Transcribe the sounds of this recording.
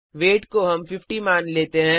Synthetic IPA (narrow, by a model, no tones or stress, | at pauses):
ʋeːʈkoɦɐmfɪfʈimaːnleːt̪eɦɛ̃